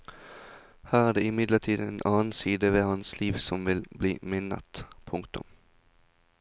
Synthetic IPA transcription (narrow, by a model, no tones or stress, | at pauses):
hæːʁæːd̪eːɪmɪd̪ləʈʰiːd̪eːnʔɑːn̩siːd̪əʋeːhɑnsliːʋsɔmʋɪlbliːmɪnə̰t̪pʰʊŋkt̪ʊ̰m